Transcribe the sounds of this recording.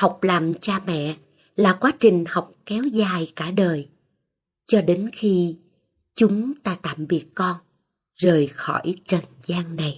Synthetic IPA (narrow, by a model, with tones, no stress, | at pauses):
ha˨˩wk͡p̚laː˨˩mt͡ɕaː˧mɛ̰˧˨ | laː˨˩kwaː˨˦t͡ɕï˨˩ŋ̟ha˨˩wk͡p̚kɛ˨˦wzaː˨˩jkaː˧˩ɗəː˨˩j | t͡ɕɔ˧ɗe˨˦nxi˧ | t͡ɕʊ˨˦ŋ͡mt̪aː˧t̪a̰ː˧˨mɓi˨˩ət̚kɔ˧n | zəː˨˩jxɔ̰˧˩jt͡ɕə˨˩nzaː˧ŋna˨˩j